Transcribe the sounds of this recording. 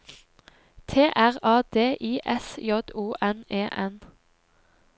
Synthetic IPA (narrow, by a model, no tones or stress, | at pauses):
t̪ʰeːʔæʁɑːd̪eːʔiːʔɛsjɔd̪uːʔɛneːʔɛn